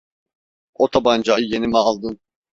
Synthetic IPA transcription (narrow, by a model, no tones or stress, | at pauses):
ot̪ʰaband͡ʒajɯje̞nimɛalˠd̪ɯn